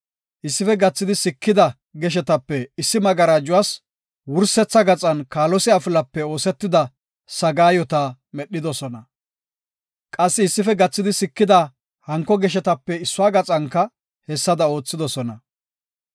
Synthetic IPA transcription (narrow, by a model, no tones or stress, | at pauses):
ʔɪsːɪfɛɡɐt͡sːɪd̪ɪsɪkːɪd̪ɐ | ɡɛʃ̬ɛt̪ɐpːɛɪsːɪmɐɡɐɾaːd͡ʒʊwaːs | wʊɾsɛt͡sːɐɡɐt͡sʼɐnkaːlɔsɪaːfɪlɐpːɛo̞ːsɛt̪ːɪd̪ɐ | sɐɡaːjɔt̪a | mɛɗːɪd̪ɔsɔnɐ | kʼɐsːɪːsːɪfɛɡɐt͡sːɪd̪ɪsɪkːɪd̪ɐ | hɐŋkːɔɡɛʃ̬ɛt̪ɐpːɛɪsːʊaːɡɐt͡sʼɐŋkːɐ | hɛsːɐd̪ɐo̞ːt͡sːɪd̪ɔsɔnɐ